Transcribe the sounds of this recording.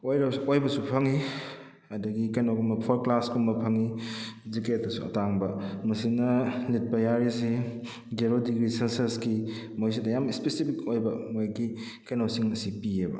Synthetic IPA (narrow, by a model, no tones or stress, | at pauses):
ojɾɐojbɐsupʰɐŋi | ɐdɐɡikɐjnoɡumɐpʰoɾklaskumbɐpʰɐŋiziketːɐsuɐ̰taŋbɐmɐsinɐlit̚pɐjaɾizi | d͡ʒeɾodiɡɾisenseɾskimojs̬idɐjamispesipʰikojbɐmojɡi | kajnosiŋnɐsipiebɐ̰